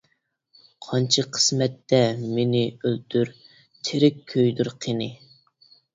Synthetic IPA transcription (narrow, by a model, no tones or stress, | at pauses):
qʰɑnt͡ʃʰɑqʰə̥smɛt̪ːɛmenɪølt̪ʰyɾ | t̪ʰɪɾɪkʲʰːøjd̪yɾqʰenɪ